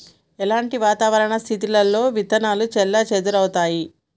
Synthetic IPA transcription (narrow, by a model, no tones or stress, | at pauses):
ɛlaːɳʈiʋaːt̪aːʋɐɾɐɳɐst̪ʰit̪ilɐlːo̞ːʋit̪ɐnaːlut͡ʃɛlːɐt͡ʃed̪uɾɐwut̪aːji